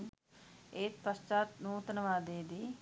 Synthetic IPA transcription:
eːt̪pəst͡ʃaːt̪nũːt̪ənʋaːd̪eːd̪iː

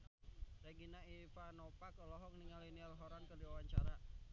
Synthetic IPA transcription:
reɡinaifanɔpakɔlɔɦɔk̚niŋalinialɦɔɾankərdiwawaɲt͡ʃa̰ɾa

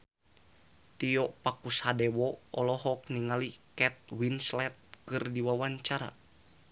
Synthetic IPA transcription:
t̪iɔʔpakushadɛwɔɔlɔɦɔk̚niŋalikɛt̪̚winslɛt̪̚kɨrdiwawaɲt͡ʃaɾa̰

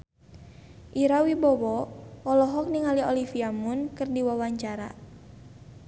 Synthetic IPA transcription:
ʔiɾawibɔwɔɔlɔɦɔk̚niŋaliɔlifiamunkɨrdiwawaɲt͡ʃaɾa̰

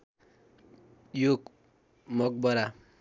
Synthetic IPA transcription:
joɡ | mʌk̚bʌɾa

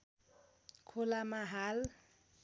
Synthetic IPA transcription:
kʰʊlamaɦal

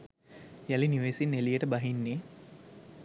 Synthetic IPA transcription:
jæliniʋeːsinːelijəʈəbaɦinːeː

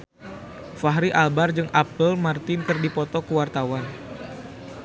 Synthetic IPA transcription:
faɦɾiʔalbard͡ʒɨŋʔapəlmart̪ɪnkɨrdipɔt̪ɔkəwart̪awan

